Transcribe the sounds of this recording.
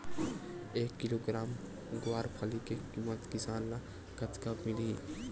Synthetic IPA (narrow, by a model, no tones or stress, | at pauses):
eːkːɪloɡɾaːm | ɡʊwaːɾpʰalikekimət̪kɪsaːnːa | kɐt̪kapmɪli